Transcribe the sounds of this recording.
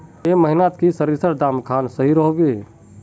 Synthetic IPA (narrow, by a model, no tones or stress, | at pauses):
eməɦinat̪kisəɾisəɾd̪aːmkʰaːnsəɦiɾɔɦoɡe